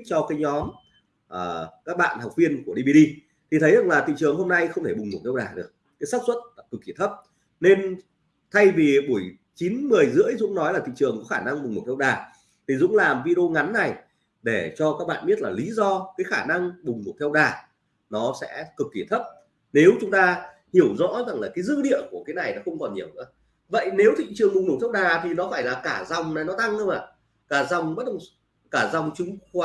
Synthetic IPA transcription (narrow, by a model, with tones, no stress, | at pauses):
t͡ɕɔ˧kaː˨˦jɲɔ˨˦m | ʔəː˨˩kaː˦˥k̚ɓa̰ː˧˨nhwk͡p̚vi˧ənku˧˩əɗi˧vi˧ɗi˧ | t̪ʰi˨˩t̪ʰə˨˦za˨˩ŋlaː˨˩t̪ʰḭ˧˨t͡ɕɨ˨˩əŋɦo˧mna˧jxə˧wŋ͡mt̪ʰe˧˩ɓʊ˨˩ŋ͡mŋu˨˩t̪ʰɛ˧wɗaː˨˩ɗɨ˨˩ək̚ː | a˨˦jsaː˦˥k̚swə˦˥t̚la˨˩kɨ˨˩kːi˧˩ət̪ʰə˦˥p̚ | ne˧n | t̪ʰa˧jvi˨˩ɓu˧˩əj | t͡ɕi˨˦nmɨ˨˩əjzɨ̰˧˥əjzʊ̰˧˥ŋ͡mnɔ˨˦jlaː˨˩t̪ʰḭ˧˨t͡ɕɨ˨˩əŋkɔ˨˦xaː˧˩na˧ŋɓŋ͡mm˨˩t̪ʰɛ˧wɗaː˨˩ | t̪ʰi˨˩zʊ̰˧˥ŋ͡mlaː˨˩mvi˧ɗə˧o˧ŋa˨˦nːa˨˩j | ɗe˧˩t͡ɕɔ˧kaː˦˥k̚ɓa̰ː˧˨nɓi˦˥t̚laː˨˩li˨˦zɔ˧kaː˨˦jxaː˧˩na˧ŋɓʊ˨˩ŋ͡mnu˨˩t̪ʰɛ˧wɗaː˨˩ | nɔ˨˦sɛ̰˧˥kɨ˨˩k̪̚i˧˩ət̪ʰə˦˥p̚ | ne˨˦wt͡ɕʊ˨˦ŋ͡mt̪aː˧ | hi˧˩əwzɔ̰˧˥za˨˩ŋlaː˨˩kaː˨˦jzɨ̰˧˥ɗḭ˧˨ənku˧˩əkaː˨˦jna˨˩jnɔ˨˦xə˧wŋ͡mkɔ˨˩nɲi˨˩əwnɨ̰˧˥ə | və̰˧˨jne˨˦wt̪ʰḭ˧˨t͡ɕɨ˨˩əŋɓʊ˨˩ŋ͡mnu˧˩t̪ʰwɗaː˨˩t̪ʰi˨˩nɔ˨˦faː˧˩jlaː˨˩kaː˧˩za˨˩wŋ͡mna˨˩jnɔ˨˦t̪a˧ŋhə˧wŋ͡maː˨˩ | kaː˧˩za˨˩wŋ͡mɓə˦˥t̚ɗə˧˩wŋ͡m | kaː˧˩za˨˩wŋ͡mt͡ɕɨ˨˦ŋx